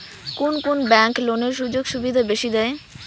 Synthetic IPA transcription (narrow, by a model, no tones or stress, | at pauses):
konkonbɛŋkloneɾʃud͡ʑoɡʃubid̪ʱabeʃid̪ɛe